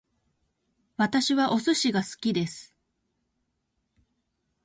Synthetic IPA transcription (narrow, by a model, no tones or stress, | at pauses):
βat̪aɕiβaʔo̞sɨɕiɡasɨ̥kʲid̪e̞sɨ̥